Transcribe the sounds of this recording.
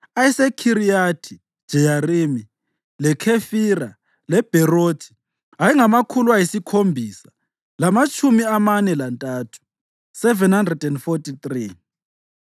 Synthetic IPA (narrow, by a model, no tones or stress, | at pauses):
ajɛsɛkʰiɾijatʰi̥ | ʒ̥ʱɛjarimi | lɛkʰefira | lɛb̥ʱɛrotʰi̥ | aiŋamakʰulwajisikʰombʱiːsḁ | lamat͡ʃʼumiamanɛlantʼaːtʰu̥ | sɛvɛnhandrɛdɛndfotʰʼit̪ri